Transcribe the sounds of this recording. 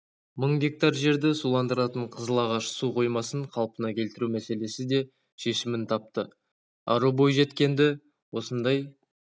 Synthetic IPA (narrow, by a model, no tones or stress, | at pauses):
məɴɡʲe̞k̚t̪ɑɾʒe̞ɾd̪ɪsulˠɑnd̪əɾɑt̪əɴqʰəzəlˠɑʁɑʃsuqʰo̞jmɑsəɴqʰɑlˠpənɑkʲʰe̞lt̪ɪɾumæse̞le̞sɪd̪e̞ | ʃe̞ʃɪmɪnt̪ʰɑp̚t̪ə | ɑ̰ɾubo̞jʒe̞t̪kʲe̞nd̪ɪ | wo̞sənd̪ɑj